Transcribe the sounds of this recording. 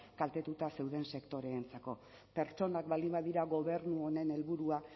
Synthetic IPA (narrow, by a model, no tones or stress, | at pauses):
kalt̪e̞t̪ut̪ase̞wðe̞nse̞kt̪o̞ɾe̞ːnt͡sako̞ | pe̞ɾt͡ʃo̞nakbalimbaðiɾaɣo̞β̞e̞ɾnuo̞ne̞ne̞lβuɾua